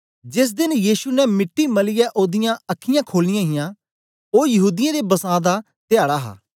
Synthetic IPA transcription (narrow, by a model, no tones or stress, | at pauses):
d͡ʒɪs̬d̪ɪnjiːsunɛmɪʈːiməlɪjɛʔoːd̪ɪjãəkʰːɪjãːkʰoːlɪjãːɦɪjãː | oːjɐɦuːd̪ɪjãːd̪ebɐsãːd̪a | t̪ɪjaːɽaːɦa̰ː